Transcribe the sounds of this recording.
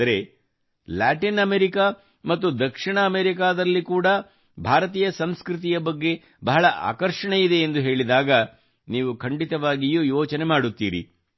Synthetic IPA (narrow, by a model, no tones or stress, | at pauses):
ɐɾe̞ | laːʈinɐmeɾika | mɐt̪ːud̪ɐkʂiɳɐːmeɾikaːd̪ɐlːikuːɽɐ | bʱaːɾɐt̪̬iːjɐsɐmskɾit̪̬ijɐbɐɡːe̞ | bɐɦɐɭɐʔa̰ːkɐɾʂɐɳeid̪e̞ːnd̪uɦe̞ːɭid̪aːɡɐ | niːʋukʰɐɳɖit̪ɐʋaːɡijuːjoːt͡ʃɐnemaːɽut̪ːḭːɾḭ